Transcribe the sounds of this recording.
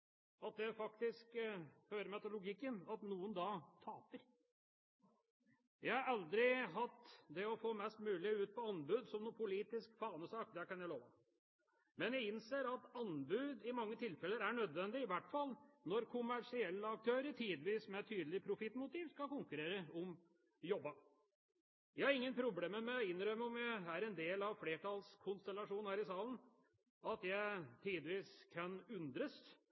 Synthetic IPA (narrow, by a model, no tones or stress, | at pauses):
ɑt̪̚d̪ɛfɑkt̪ɪskhøːɾəmɛt̪əlʊɡɪkːənɑt̪nuːənd̪ɑt̪ʰɑːpəɾ | jæɪhɑɾɑld̪ɾɪɦɑt̪ːd̪ɛɔfoːmɛst̪mʉːlɪʉːt̪̚pɔɑnbʉːd̪sɔmnʊpʊliːt̪ɪskfɑːnəsɑːk̚d̪ɛkɑnjæɪloːʋə | mɛnjæɪɪnseːɾɑt̪ɑnbʉːd̪ɪmɑŋːət̪ʰɪlfɛlːəɾæɳœd̪ʋɛnd̪ɪɪʋæʈːfɑlːnɔɾkʰʊmæʂɪɛlːəɑk̚t̪ʰøːɾəʈʰiːd̪ʋiːsmɛt̪ʰyːd̪əlɪpʰɾʊfɪt̪ːmʊt̪ʰiːʋskɑkʊŋkʉɾeːɾəɔm | jɔbːɑ | jæɪhɑɾɪŋːənpʰɾʊbleːməmɛɔɪnːɾœmːəɔmjææɾɛnd̪eːlɑʋfleːʈʰɑlskʰʊnst̪ɛlɑʂuːn̩hæːɾɪsɑːlən̩ | ɑt̪jæɪt̪ʰiːd̪ʋiːskʰɑnʉnd̪ɾəs